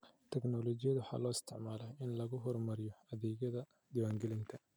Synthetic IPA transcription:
t̪ʰɛɡnɔlɔːt͡ʃɪjɐðʊwħa̰ːlɔːɪst̪ʰɪʕmaːlɐɪnlɐɣʊɦɔrmɐɾɪjɔɐðɛːɣɐðɐ | d̪iwaːŋɡɛlɪŋt̪ʰɐ

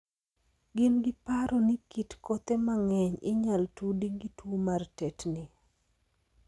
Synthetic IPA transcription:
ɡɪnɡɪpaɾɔnikitkot̪emaŋɛɲɪ̰ɲaltudiɡitumartɛtni

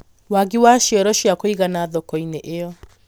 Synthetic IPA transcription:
waɡiwaʃiɛɾɔʃiakoiɣanaðɔkɔinɛʔejɔ

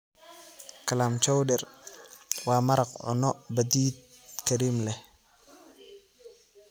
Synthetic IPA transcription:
kʰɐlaːmt͡ʃɔwɖɛr | wɑːmɐɾɐqʕʊ̰nɔbɐd̪iːd̪̚ | kʰɐɾiːmlɛh

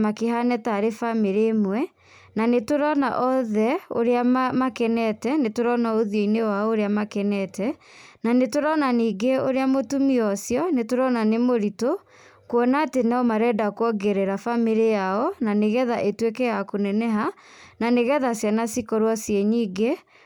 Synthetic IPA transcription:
makeɦanɛtaɾefameɾemwɛ | nanetoɾɔna̰ʔɔðɛo̰ɾeamamakɛnɛtɛnetoɾɔnaoðioinewaɔoɾeamakɛnɛtɛ | nanetoɾɔnaniːɡeoɾeamotumiɔsjɔnetoɾɔnanemoɾito | kwɔnaːtenaɔmaɾɛdakwɔɡeɾɛɾafameɾejaɔnaneɣɛðaʔetwekejakonɛnɛɦa | naneɣɛðasjanasikɔɾwasjɛɲiːɡe

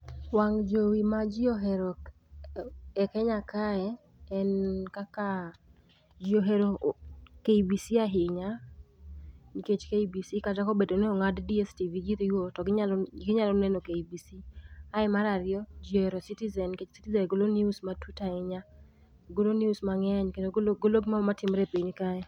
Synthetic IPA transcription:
waŋd͡ʒowimad͡ʒɪoɦɛɾɔ | ɛkɛɲakaɛ | ɛnkaka | d͡ʒioɦeɾokeibisiaɦɪɲa | niket͡ʃkeibisikatakobedonɛɔŋaddiɛstiviɡiɾiwotɔɡɪɲalɡɪɲalɔnɛnokeibisiaɪmaɾaɾɪjɔd͡ʒioeɾositizɛnket͡ʃsi̥tizɛnɡoloniusmatutaɪɲa | ɡoloniusmaŋɛɲkendoɡoloɡmamatɪmɾɛpeɲkajɛ

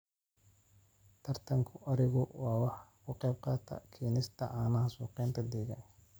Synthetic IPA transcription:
t̪ʰɐrt̪ʰɐŋkʰʊʔɐɾɪɣʊwɑːwɑħkʰʊqɛjb̚qɑːt̪ʰɐ̰kʰiːnɪst̪ʰɐ̰ʕɑːnɐhɐsuːqɛːnt̪ʰɐd̪iːɣɐ̰n

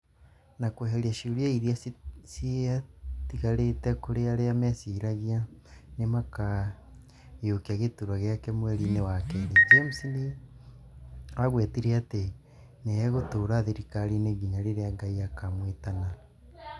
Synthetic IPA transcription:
nakwɛɦɛɾiaʃiuɾiaiɾiasiatiɣaɾetɛkoɾeaɾeamɛsiɾaɣianemaka | jokiaɣetuɾaɣeakɛmwɛɾinewakɛned͡ʒemusine | aɣwɛtiɾiate | nɛɛɣotoːɾaðeɾikaɾineɡiɲaɾeɾeaŋɡaiakamwetana

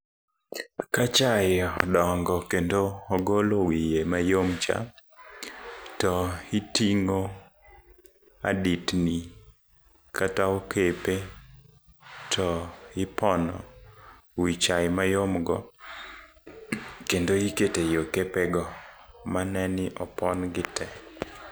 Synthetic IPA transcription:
kat͡ʃajɔdɔŋɡɔkendoːɡolowijemajomt͡ʃa̰ | tɔitiŋo | a̰ditni | kataokepe | tʰɔɪpɔnɔ̰ | wit͡ʃaɪmajomɡɔ | kendojiketejokepɛɡɔmanɛnɪʔɔpɔnɡɪtɛk

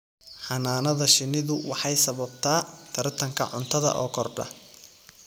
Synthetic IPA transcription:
ħɑnaːnɐðɐʃɪnɪðʊwɑħɑjsɐβɐbt̪ʰaːt̪ʰɐrt̪ʰɐŋkʰɐ̰ʕʊ̰nt̪ʰɐðɐ̰ʔɔːkʰɔrɖɐ̰

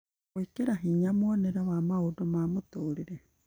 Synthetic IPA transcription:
oikeɾaɦiɲamuaneɾaβamaodomaːmotoːɾeɾe

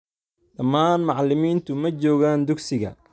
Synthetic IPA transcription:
ɗɐmːaːnmɑʕlɪmiːnt̪ʰʊmɐt͡ʃɔːɣaːnd̪ʊksɪɣɐ̰

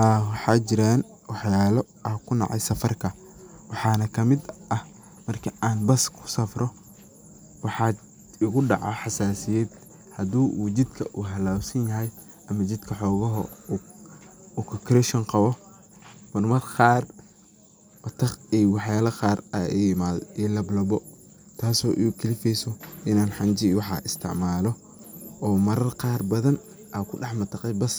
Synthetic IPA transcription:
haːwɑħɑːt͡ʃɪɾaːn | wɑħjaːlɔ | ʔɐkʰʊnɑ̰ʕɑ̰jsɐfɐrkʰɐ | wɑħɑːnɐkʰɐmɪd̪ɐh | mɐrkʰiʔaːnbɐskʰʊ̥sɐfrɔ | wɑħɑː | ɪɣʊɖɑ̰ʕɔ̰ħɑsaːsɪjɛːd̪ | hɐðuːʔuːt͡ʃɪd̪kʰɐʔuːɦɐlaːwsɐnjɐɦɛj | ɐmɐt͡ʃɪd̪kʰɐħɔːɣɔɦɔ̰ | ukʰɔkɾɛʃɔnqɑβɔ | mɐrmɐrqɑːr | mɐt̪ʰɑqɛwɑħjaːlɐqɑːrɐʔɛɪmaːðɔ̰iːlɐblɐbɔ | t̪ʰaːsɔːʔɪkʰɪlɪfɛjsɔɪnaːnħɑɲt͡ʃɪwɑħɑ̰ʔɪst̪ʰɪ̰ʕmaːlɔ | ɔːmɐɾɐrqɑːrbɐðɐn | ʔaːkʰʊɖɑħmɐt̪ʰɑqɛjbɐs

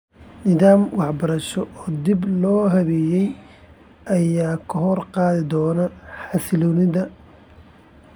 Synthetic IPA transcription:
nɪðaːmwɑħbɐɾɐʃɔʔɔːd̪iblɔːɦɐβɛjɛj | ʔɐjaːkʰɐɦɔrqɑːðɪd̪ɔːnɐħɑsɪlɔːnɪðɐ

